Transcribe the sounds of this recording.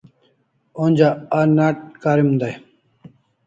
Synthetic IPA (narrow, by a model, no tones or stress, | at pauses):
onʲd͡ʑaanaʈ̚kaːɾimund̪aj